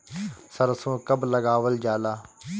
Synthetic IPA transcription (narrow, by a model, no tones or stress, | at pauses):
səɾsõːkəbləɡaːʋəld͡ʒaːlaː